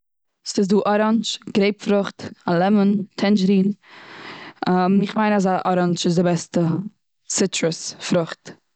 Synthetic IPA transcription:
sɪs̬duːʔɔɾand͡ʒɡ̥ɾeɪpfɾʊχtalˠɛməntʰɛnd͡ʒəɾiːn | amɪχmaɪnasaʔɔɾand͡ʒɪzdɪbɛstə | sɪtɹəsfɾʊχt

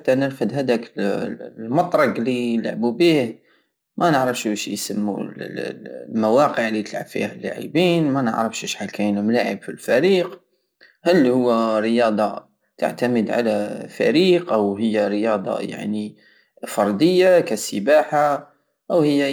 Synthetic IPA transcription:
ħat̪ːanəɾfəd̪ɦæd̪æk | mɑt̪ˤɾˤɑɡlila̰ʕbubiːh | mænəʕɾəfʃʃjsamːṵl | mawaqəʕlːit̪əlʕa̰bfḭhælːa̰ʕḭbiːnmænə̰ʕɾəfʃɪʃħakænmlaːʕə̰bfilfæɾiːq | halːhʊwːæɾɪjɑːd̪ˤɑ | t̪a̰ʕt̪aməd̪ʕa̰lafæ̰ɾiːqʔawɦɪjːaɾɪjɑːd̪ˤɑ̰ja̰ʕni | fɑɾˤd̪ɪjːakasəbaːħa | ʔawhɪjːa

